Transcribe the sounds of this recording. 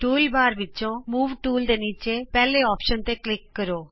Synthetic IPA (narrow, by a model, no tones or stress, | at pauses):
ʈuːlbaːɾʋɪtːt͡ʃõːmuːʋʈuːld̪eːniːt͡ʃeːpɛːleːɔːpʃənt̪eːklɪkːəɾoː